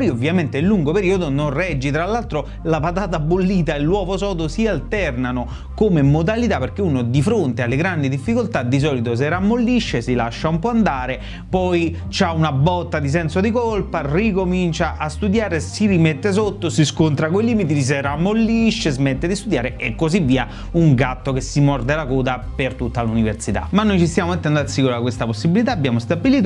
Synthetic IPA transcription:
jovːjament̪elːuŋɡopeɾiːod̪onorɛd͡ʒːit̪ɾalːalt̪ɾo | lapat̪̬aːt̪̬abːolːiːt̪aelːwɔːvosɔːd̪osialt̪ɛrnano | komemod̪alit̪aperk̟eunod̪ifɾont̪ealːeɡɾand̪id̪ifːikolt̪ad̪ːis̬ɔːlit̪os̬eɾamːolːiʃːesilaʃːaumpɔand̪aːɾe | pɔj | t͡ʃaunabɔt̪ːad̪is̬ɛnsod̪ikolparikomint͡ʃaʔast̪ud̪jaːɾesiɾimet̪ːes̬ot̪ːosiskont̪ɾakoiliːmit̪iis̬eɾamːolːiʃːezmet̪ːed̪ist̪ud̪jaːɾeekːozivːiːa | uŋɡat̪ːokesːimɔrd̪elakɔːd̪apert̪ut̪ːaluniversit̪a̰manːojt͡ʃist̪jaːmomet̪ːɛnd̪odasːikuɾakwest̪aposːibilit̪aːbːjaːmost̪abiliːt̪o

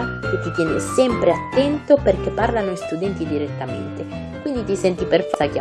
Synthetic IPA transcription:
ket̪ːit̪jɛːnḛsɛmpɾeat̪ːɛnt̪operk̟epːarlanoist̪ud̪ɛnt̪id̪iɾet̪ːamḛnt̪e | kwind̪it̪isɛnt̪iperfaka

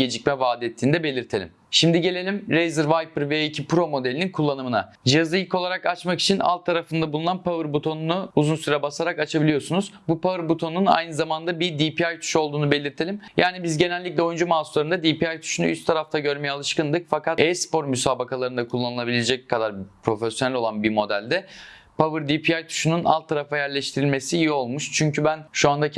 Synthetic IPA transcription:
ɟe̞d͡ʒic̚mɛvaːd̪ɛt̪ʰːiːnd̪ɛbe̞lʲiɾt̪ʰe̞lʲḭm | ʃimd̪iɟe̞lʲe̞lʲimɾejzɯɾvajpɯɾveicʰipɾo̞mo̞d̪elʲininkʰulˠːanɯmɯna̰ | d͡ʒijazˠɯilʲkʰo̞lˠaɾakat͡ʃmaki̥t͡ʃʰina̰lˠt̪ʰːaɾafɯnd̪abulˠunanpʰavɯɾbut̪ʰo̞nunuuzunsyɾɛbasaɾakat͡ʃʰabilʲijo̞sunuz̥bupavɯɾbut̪ʰo̞nuna̰jnɯzamand̪abid̪ipʰiajt̪ʰy̥ʃo̞lˠd̪uːnube̞lʲiɾt̪ʰelʲimjaːnibizɟe̞nælʲːiclʲɛo̞jund͡ʒumaːsulˠaɾɯnd̪ad̪ipiajt̪ʰu̥ʃunṵy̰st̪ʰaɾaft̪ʰaɟø̞ɾmejɛalˠɯʃkɯnd̪ɯk̚fakat̪ɛjspo̞ɾmysaːbakalˠaɾɯnd̪akʰulˠːanɯlˠabilʲed͡ʒɛc̚kʰad̪aɾpʰɾo̞fesjonælʲo̞lˠanbimo̞d̪ælʲd̪ɛ | pʰavɯɾd̪ipʰiajt̪ʰu̥ʃununʔa̰lˠt̪ʰːaɾafajæɾlʲɛʃt̪ʰiɾilʲme̞sijio̞lˠmuʃt͡ʃʰyɲcybænʃuand̪a

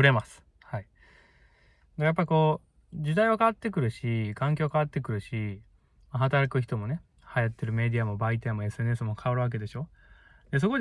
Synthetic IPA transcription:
ɯɾe̞masɨ̥ | hai | ɡajapːaɾʲiko̞ː | d͡ʑɨd̪aiβakaβat̪ːe̞kɯ̟ɾɯ̟ɕikãŋk̬ʲokaβat̪ːe̞kɯ̟ɾɯ̟ɕi | maɦat̪aɾakɯ̟ç̬ʲi̥t̪o̞mo̞ne̞ | hajat̪ːe̞ɾɯ̟me̞d̪ʲiamo̞bait̪amo̞e̞sɨe̞nesɨmo̞kʰaoɾɯ̟βak̬e̞d̪e̞ɕo̞ː | d̪e̞s̬o̞ko̞

